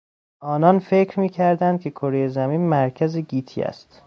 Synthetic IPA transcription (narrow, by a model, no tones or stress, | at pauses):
ʔɒːnɒnfecʰɾmiːcʰæɾd̪ænd̪̚cʲʰe̞kʰoɾejezæmiːnmæɾcʰæzeɟiːt̪ʰḭæ̰st̪